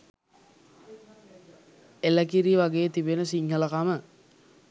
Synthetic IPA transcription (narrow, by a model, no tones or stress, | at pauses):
eləkiɾiʋaɡeːət̪ibenəsiŋhələkamə